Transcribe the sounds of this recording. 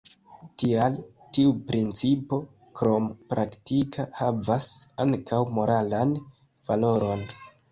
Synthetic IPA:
tial | tiupɾint͡sipo̞ | kɾo̞mpɾʔaktikʰahavasaŋkʰawmo̞ɾalan | v̥alo̞ɾo̞n

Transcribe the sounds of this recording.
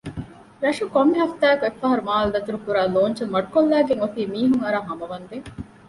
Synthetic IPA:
ɾɐʂukomːiɦɐft̪æːkuefːaɦɐɾumaːld̪ɐt̪uɾukuɾaːloːɲt͡ʃɐmɐɖukolːæːɡeŋot̪iːmiːɦuŋɐɾaːɦɐmɐʋɐnd̪e

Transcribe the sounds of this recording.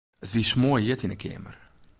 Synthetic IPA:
ətʋismoːjɪtinəkʰɪ̰ːmə̰r

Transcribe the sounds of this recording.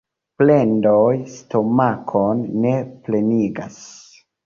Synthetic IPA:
ple̞ndojsto̞makʰonːe̞ple̞niɡa̰s

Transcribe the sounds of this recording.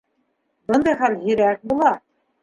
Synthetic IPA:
bɤ̆nd̪ɑjχæljɵ̆ɾæk̚bulˠɑ

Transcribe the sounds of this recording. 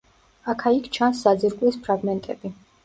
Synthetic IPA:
akʰaikʰt͡ʃʰansːad̪ziɾkʼwlispʰɾaɡmɛnt̪ʼɛb̥i

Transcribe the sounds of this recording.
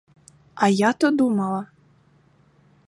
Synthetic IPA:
ajat̪ɔd̪umɐlˠɐ

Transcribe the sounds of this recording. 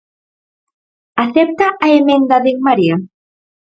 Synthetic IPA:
aθep̚t̪aʔaemẽnd̪aðeŋmaɾia

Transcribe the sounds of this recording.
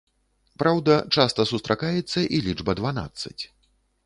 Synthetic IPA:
pɾawd̪ɐt͡ʂast̪ɐsust̪ɾʔakajɛt̪sːɐʔilʲid͡ʐbɐd̪vana̰t̪sːɐ̰t͡sʲ

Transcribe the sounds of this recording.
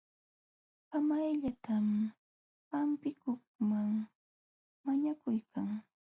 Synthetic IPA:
pamajʎat̪am | pampɪkʊkmaŋ | maɲakʊjkʰaŋ

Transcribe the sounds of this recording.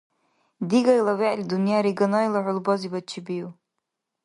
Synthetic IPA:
diɡajlawaʔlid̪unjaɾiɡanajlaʕʷʊlbɔzibat͡ʃʰibiju

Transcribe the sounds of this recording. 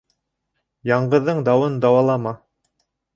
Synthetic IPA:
jɑɴɢɤ̆ðːɤɴd̪ɑwɤnd̪ɑwɑlˠɑmɑ

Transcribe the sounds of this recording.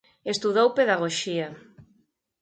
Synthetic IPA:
est̪uðowpeðaɣ̞oʃia

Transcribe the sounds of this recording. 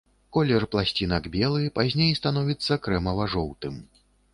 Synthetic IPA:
kɔlʲɛrplˠasʲt͡sʲinɐɡbʲɛlˠɨpazʲnʲejst̪anɔvʲit̪sːɐkɾɛmɐvaʐɔwt̪ɨm

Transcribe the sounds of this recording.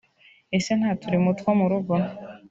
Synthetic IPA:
e̞se̞n̥haːtuɾimutkomuɾuɡo

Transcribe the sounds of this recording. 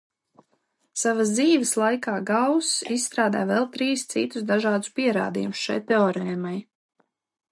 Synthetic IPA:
savazd̪iːvəslˠajkaːɡawsisːt̪ɾaːd̪a̰ːvɛlˠt̪ɾiːst̪sḭt̪usd̪aʒaːd̪u̥spiɛɾa̰ːd̪ḭjumʊsʃa̰jt̪eɔɾɛmaj

